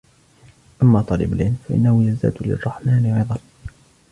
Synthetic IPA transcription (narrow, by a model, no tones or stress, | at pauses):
ʔamːaːt̪ˤɑːlɪ̰balʕɪlmfaʔɪ̰nːahʊjazd̪a̰ːd̪lɪ̰rˤːɑħmaːnɪʕɪðˤɑn